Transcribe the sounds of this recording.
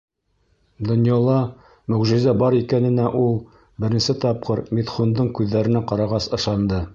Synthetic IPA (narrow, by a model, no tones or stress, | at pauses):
d̪ŏnjɑlˠɑ | mɵ̆wʒɘ̆zæbɑɾikænɘ̆næʔulˠ | bɘ̆ɾɘ̆nsɘt̪ɑp̚qɤɾmit̪χund̪ɤɴkʉðːæɾɘ̆næqɑɾɑʁɑsɤ̆ʃɑnd̪ɤ